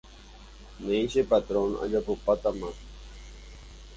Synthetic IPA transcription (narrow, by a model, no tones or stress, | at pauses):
neːɕepat̪ɾona̰ʎapupat̪ama